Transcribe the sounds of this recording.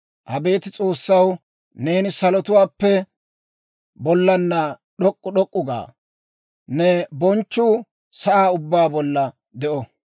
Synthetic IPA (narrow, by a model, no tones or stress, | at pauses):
ʔɐbe̞ːt̪ɪt͡sʼo̞ːsːɐw | ne̞ːnɪsɐlɔt̪ʊwaːpːɛ | bɔlːɐnːɐɗɔkʼːʊɗɔkʼːʊɡa̰ː | nɛbɔnt͡ʃːuː | sɐʔaːʊbːaːbɔlːɐ | d̪ɛʔɔ